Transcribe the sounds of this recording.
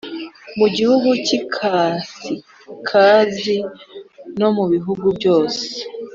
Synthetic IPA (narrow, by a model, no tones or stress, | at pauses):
muɟihuɡucikʰasi | kʰaːzi | no̞muβiɦuɡubjo̞ːse̥